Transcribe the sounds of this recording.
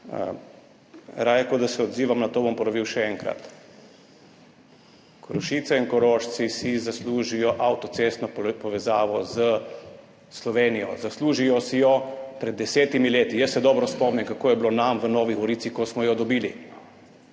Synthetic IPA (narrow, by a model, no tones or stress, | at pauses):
ə̰ | ɾaːjɛkod̪asɛɔd̪ziːʋamnat̪oːbɔmpɔɾɔʋiːwʃɛɛŋkɾa̰t̪ | kɾɔʃit̪sɛiŋkɔɾoːʃsisizasluːʒijɔʔawt̪ɔt̪seːst̪nɔpɔʋɛzaːʋɔzə | slɔʋeːnijɔ̰zasluːʒijɔsijɔpɾɛd̪ːɛseːt̪imileːt̪ijəsːɛd̪ɔːbɾɔspɔmnɛmkakoːjɛblonamʋənɔːʋiɣɔɾiːt̪sikɔsmɔjɔd̪ɔbiːli